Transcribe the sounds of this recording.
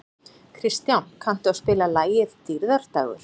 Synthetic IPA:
kʰɾist̪jawnkʰan̥t̪ʏaðspɪːlalaːjɪðt̪iɾðaɾ̥t̪a̰ːɣʏ̰ɾ̥

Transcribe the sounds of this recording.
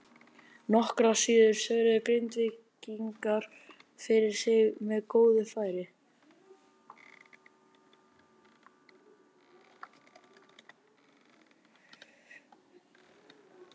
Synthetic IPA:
nɔhkɾasiːðʏɾ̥sœːɾɪðʏkɾejnt̪vɪciŋkaɾ̥ | fɪɾɪɾ̥sɪɣmɛðkoːwðʏfaːjɾɪ

